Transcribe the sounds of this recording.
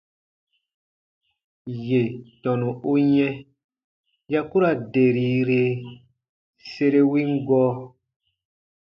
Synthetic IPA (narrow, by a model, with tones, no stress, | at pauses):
je˨tɔ̃˨nũ˨o˦ɲɛ̃˦ | ja˦ku˦ɾa˨de˨ɾi˨˦ɾe˨ | se˦ɾe˦wĩ˦ŋ˦ɡɔː˦